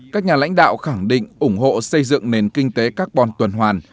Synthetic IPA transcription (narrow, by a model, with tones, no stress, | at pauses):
kaː˦˥k̚ɲaː˨˩la̰˧˥jŋ̟ɗa̰ː˧˨wxa˧˩ŋɗḭ̈˧˨ŋ̟ʔʊ˧˩ŋ͡mɦo̰˧˨sə˧jzɨ̰˧˨ŋne˨˩nkï˧ŋ̟t̪e˨˦kaː˦˥k̚ɓɔ˨˩nt̪wə˨˩nɦwaː˨˩n